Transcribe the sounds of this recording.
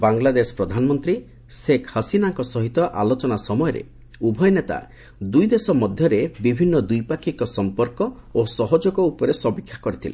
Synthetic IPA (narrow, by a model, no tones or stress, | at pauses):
baŋlad̪esɔ̥pɾɔd̪ʱanmɔnt̪ɾi | sekʰhəsinaŋkɔsɔɦit̪ɔʔalot͡ʃɔnasɔmɔjɔɾḛ | ubʱɔjnet̪a̰ | d̪ujd̪esɔmɔd̪ʱjɔɾebibʱinːɔd̪ujpakʰikɔsɔmpɔɾkɔ | osɔɦɔd͡ʒɔkɔupɔɾesɔbikʰːḁkɔɾit̪ʰilḛ